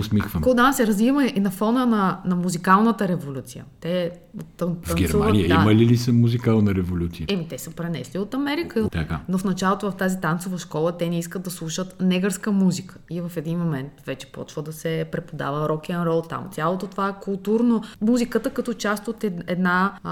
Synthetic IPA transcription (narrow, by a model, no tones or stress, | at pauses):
osmixvəmkod̪ansɛɾɐzvivəmɛʔinɐfɔnənɐnɐmuzikalˠnət̪əɾɛvolʲut̪sijə̰t̪ɛ | ot̪ːəvːɐnɡʲɛɾmavnijəimɐlilisəmuzikalˠnɐɾɛvolʲut̪siəɛmit̪ɛsəpɾɛnɛsliot̪ɐmɛɾikəiot̪ɐkanofnɐt͡ʃalˠot̪ovɐft̪azit̪ant̪sovəʃkɔlˠət̪ɛnɛiskəd̪̚d̪ɐslˠuʃət̪nɛɡəɾskəmuzikə̥ivɐfɛd̪inmomɛnt̪vɛt͡ʃɛ̥pɔ̰t͡ʃvəd̪ɐsɛpɾɛpod̪a̰vəɾɔkɛnɾɔlˠt̪a̰mt̪sʲjalˠot̪ot̪ovaɛkulˠt̪uɾnomuzikət̪əkɐt̪ɔt͡ʃast̪ot̪ɛɛd̪na